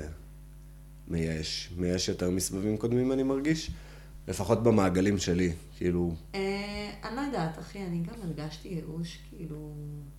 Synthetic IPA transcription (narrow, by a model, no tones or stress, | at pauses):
mejaeʃmejaeʃjo̞teʁmisbavimko̞d̪mimanimaʁɡiʃ | lʔe̞faχo̞tbemaːɡalimʃe̞likiilueanajdat̪aχianiɡameʁɡaʃtijeʔuʃkiilu